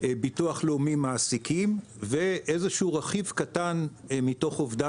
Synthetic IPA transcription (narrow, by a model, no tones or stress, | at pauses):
bituaχleomimaːsikim | veʔezeʃuʁaχivkatanmito̞χovd̪a